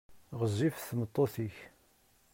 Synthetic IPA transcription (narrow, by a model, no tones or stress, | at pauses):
ʁəzːifθmət̪ˤːoθiç